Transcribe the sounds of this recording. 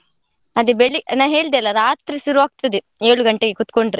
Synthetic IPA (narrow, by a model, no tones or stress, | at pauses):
ɐd̪ibeɭinaːɦeːɭd̪ɐlːɐɾaːt̪ɾisiɾuʋaːɡ̚t̪ɐd̪i | eːɭuɡɐɳʈeɡekut̪koɳɖɾi